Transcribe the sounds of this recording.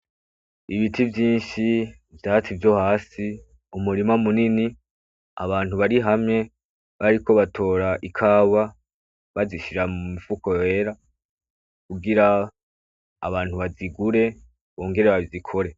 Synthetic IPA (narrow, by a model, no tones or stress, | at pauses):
iβitʰivjiːnʃi | vjaːt͡sivjo̞haːsi | umuɾimamunini | a̰βaːn̥huβaɾiɦamɲe̞ | βaɾiko̞βatʰo̞ːɾaʔikʰaːwa | βaziʃiɾamumifuko̞e̞ɾa | kuɡiɾa | βaːn̥huβaziɡuɾe̞ | βoːŋɡe̞ɾe̞βaizikʰo̞ɾe̞